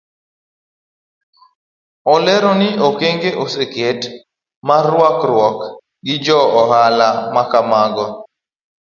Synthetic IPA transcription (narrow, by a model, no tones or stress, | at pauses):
ɔlɛɾɔnɪokeŋɡeʔoseket | marwakɾwɔk | ɡɪd͡ʒɔɔɦalamakamaɡɔ